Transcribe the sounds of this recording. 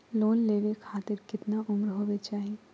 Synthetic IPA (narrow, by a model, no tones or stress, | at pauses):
loːnleːʋekʰaːt̪ɪɾkɪt̪naʔʊmɾɦoːbet͡ʃaːɦi